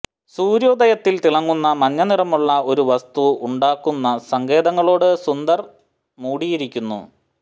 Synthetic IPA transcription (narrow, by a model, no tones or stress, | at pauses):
suːɾjo̞ːd̪ɐjɐt̪ːilt̪iɭɐŋːunːɐmɐɲːɐnirɐmuɭːɐo̞ɾuʋɐst̪uuɳɖaːkːunːɐsɐŋɡe̞ːðɐŋːɐɭo̞ːɽɨsund̪ɐr | muːɽijiɾikʲːunːṵ